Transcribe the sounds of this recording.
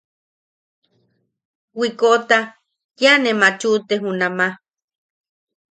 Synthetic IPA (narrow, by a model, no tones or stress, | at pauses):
wikot̪a | janemat͡ʃut̪eɦunama